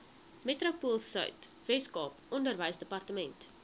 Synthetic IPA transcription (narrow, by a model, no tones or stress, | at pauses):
metropuəlˠsœ̰ɥt | vɛskɑːpʔɔndərvəjsdəpɐrtəmɛnt